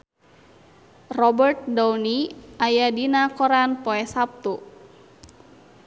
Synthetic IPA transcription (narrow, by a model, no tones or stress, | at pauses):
rɔbərt̪̚dawniajadinakɔɾanpɔɛsap̚t̪u